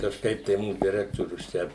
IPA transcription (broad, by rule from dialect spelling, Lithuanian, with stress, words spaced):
kɐʃˈkɐɪp tɐɪ ˈmuːs dʲɛˈrʲæːktoːrʲʊs ˈt͡ʃʲɛ